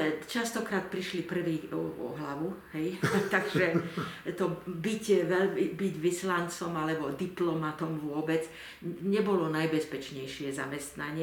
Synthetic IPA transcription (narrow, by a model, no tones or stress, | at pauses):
t͡ʃast̪ɔkɾaːt̪̚pɾiʃlipr̩ʋiːɔɔ̰ɦlaʋuɦɛjt̪aɡʒɛt̪ɔbicʋɛlmibiɟʋislant͡sɔmalɛbɔd̪iplɔmat̪ɔmʋʊɔbɛd͡z | ɲɛbɔlɔnajbɛspɛt͡ʃɲɛjʃɪɛza̰mɛst̪naɲɪɛ